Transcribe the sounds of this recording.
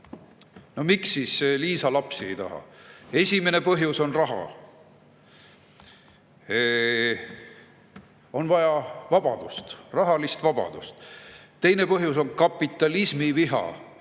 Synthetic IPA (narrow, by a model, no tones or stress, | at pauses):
no̞miksːiːsliːsɑlɑpsie̞̰jt̪ɑ̰ɦɑ̰e̞sʲime̞ne̞pɤɦjuso̞nrɑɦɑ̰ | o̞nvɑjɑvɑb̥ɑd̪̥ust̪rɑɦɑlist̪vɑb̥ɑ̰d̪̥ust̪ | t̪e̞jne̞pɤɦjuso̞nkɑpːˑit̪ˑːɑlismiviɦɑ̰